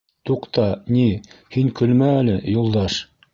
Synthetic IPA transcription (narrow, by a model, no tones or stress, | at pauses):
t̪uqt̪ɑnihiŋkɵ̆lmæːlɘjulˠd̪ɑʃ